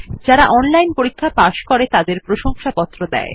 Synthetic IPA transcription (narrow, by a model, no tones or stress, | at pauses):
d͡ʑaɾaʔɔnlajnpoɾikʰːapaʃkoɾet̪ad̪eɾpɾoʃoŋʃapɔt̪ːɾod̪ɛ̰e